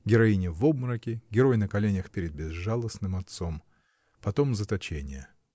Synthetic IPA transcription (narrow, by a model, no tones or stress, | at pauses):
ɡʲɪɾɐinʲɪvob̚mɾəkʲɪɡʲɪɾo̞jnəkɐlʲenʲəxpʲɪɾʲɪd̪̚bʲɪzʐalˠəsnɨmɐt̪so̞m | pɐt̪o̞mzət̪ɐt͡ɕenʲɪjə